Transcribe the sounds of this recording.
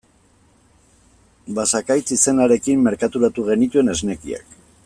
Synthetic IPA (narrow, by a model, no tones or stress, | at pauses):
basakajt͡sise̞naɾe̞kimːe̞ɾkat̪uɾat̪uɣe̞nit̪ue̞ne̞zne̞kḭa̰k